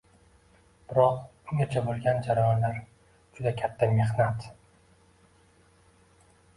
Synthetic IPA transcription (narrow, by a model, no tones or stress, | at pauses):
b̥ɪɾɒqʊŋɡʲat͡ʃʰabolˠɡʲand͡ʒaɾajɒnlaɾ | d͡ʒʊd̪akʲʰat̪ʰːame̞hnat̪